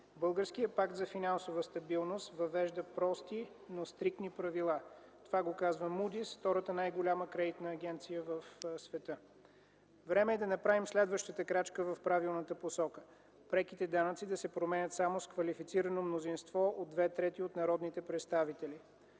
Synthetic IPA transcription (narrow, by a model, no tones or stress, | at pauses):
bɤlˠɡəɾskijəpakt̪zɐfinansovəst̪ɐbilˠnost̪vɐvɛʒd̪əpɾɔst̪i | nost̪ɾik̚t̪nipɾɐvilˠa | t̪ovaɡokazvəmud̪isft̪ɔɾət̪ənajɡolʲaməkɾɛd̪it̪nəːɡʲɛnt̪sijəvəfsvɛt̪ə | vɾɛmɛːd̪ɐnɐpɾavimslɛd̪vəʃt̪ət̪əkɾat͡ʃkəvɐfpɾavilˠnət̪əposɔkə̥ | pɾɛkit̪ɛd̪anət̪sid̪ɐsɛpɾomɛnʲət̪samoskvɐlifit̪siɾənomnozinst̪vɔʔod̪d̪vɛt̪ɾɛt̪iot̪nɐɾɔd̪nit̪ɛpɾɛt̪st̪avit̪ɛli